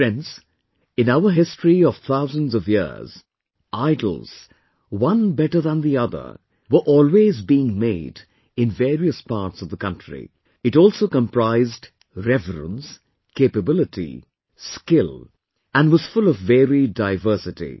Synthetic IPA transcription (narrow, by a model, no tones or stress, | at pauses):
ɛ̃ns | ɨ̃naʊə˞ɦɪstɹ̥iʌv̥θaʊzə̃nzʌvjɪ̰˞z̥ | ʔaɪdl̩ˠz̥ | wʌ̃nbɛɾə˞ðə̃nðiʌðə̰˞ | wə˞ʔɔlˠwezbiɪ̃ŋmeɪd | ɨ̃nvɛɹiəspa̰ːɹtsʌvðəkʌ̃ntɹ̥ḭ | ɨtɔːlˠsoʊkə̃mpʰɹaɪzd | ɹɛvɾə̰̃ns | kʰeɪpəbɪlɨtʰḭ | skɪl | æ̃nwʌz̥fʊlʌvːɛɹidaɪvɜ˞sɨtḭ